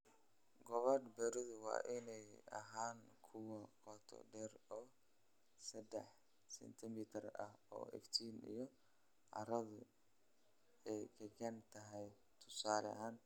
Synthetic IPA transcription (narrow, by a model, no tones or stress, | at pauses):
ɡɔβɐrbɛɾɪðʊwɑ̰ːʔɪnɛjɐ̰ɦaːŋkʰʊwɐqɔt̪ʰɔ̰ɖɛːrɔː | sɐd̪ɛħ | sɛ̰nt̪ʰɪmiːt̪ʰɐrɐ̰hɔ̰ːʔɛ̰ft̪ʰiːnḭjɞ | ʔɐ̰ɾɐðʊ | ɛjkʰɐkɐnt̪ʰɐɦɛj | t̪ʰʊsaːlɐ̰ɦaːn